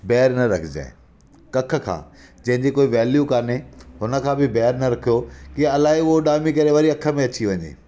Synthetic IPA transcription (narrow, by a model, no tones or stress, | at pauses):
bɛːɾnɐɾɐkʰɪd͡ʑa̰ːɪ̃ | kɐkʰə̆kʰã̰ː | d͡ʑɐ̃ɦɪ̃ɲd͡ʑikoːiʋɛːljukaːɾneɦʊnə̆kʰãːbɪbɛːɦɾnɐɾɐkʰijokiaɐlaːɦiʊɦoɗaːmikɐɾeʋɐɾiɐkʰə̆mẽɐt͡ɕiʋɐɲḛː